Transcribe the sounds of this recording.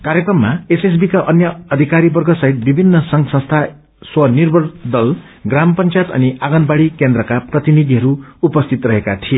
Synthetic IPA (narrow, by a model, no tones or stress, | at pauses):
kaɾjekrʌmːaeses̬bikaʔʌnjʌːd̪ʱikaɾibʌrɡʱʌsʌɦit̪̚bibʱinːʌsʌŋsʌ̃nst̪ʰa | swʌnirbʱʌrd̪ʌl | ɡrampʌnt͡sjat̪ʌ̰niaɡʌnbaɽikend̪rʌkaprʌt̪inid̪ʱiɦʌɾuupʌst̪ʰit̪rʌɦekat̪ʰie